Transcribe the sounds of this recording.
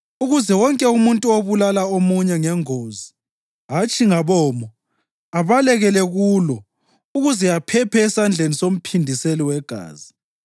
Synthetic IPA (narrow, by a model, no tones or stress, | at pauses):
uɣuzɛwɔŋkʼɛumuntʼuoβulalaomuɲɛŋɛŋoːzi | ɦat͡ʃʼiŋaβɔːmɔ | aβalɛɣɛlɛɣulɔ | uɣuzɛjapʰɛpʰɛːsand͡ɮʱenisom̩pʰindʱiseliwɛɡ̥ʱa̰ːzi